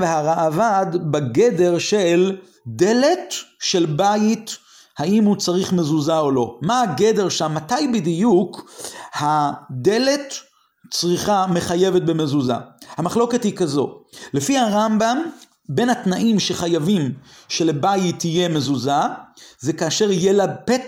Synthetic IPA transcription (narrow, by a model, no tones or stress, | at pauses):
veɦaʁaʔavad̪baɡe̞de̞ʁʃel | de̞le̞tʃe̞lbait | haimhut͡saʁiχme̞zuzao̞lo̞maːɡe̞de̞ʁʃamːatajbid̪ijukhad̪e̞le̞t | t͡sʁiχame̞χaje̞vet̚beme̞zuza̰hamaχlo̞ke̞thikazo̞lefihaʁambam | be̞nhatnaʔimʃe̞χajavimʃelebajit̪ːije̞mezuzaze̞kaːʃeʁijelapet